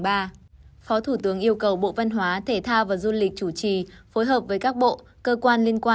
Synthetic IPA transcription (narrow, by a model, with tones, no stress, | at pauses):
ɓaː˧fɔ˨˦t̪ʰu˧˩t̪ɨ˨˦əŋʔi˧əwkə˨˩wɓo̰˧˨və˧nɦwaː˨˦t̪ʰe˧˩t̪ʰaː˧wvaː˨˩zu˧lï˨˩k̟̚t͡ɕu˧˩t͡ɕi˨˩fo˨˦jɦəː˨˩p̚vəː˨˦jkaː˦˥k̚ɓo̰˧˨ | kəː˧kwaː˧nli˧ənkwaː˧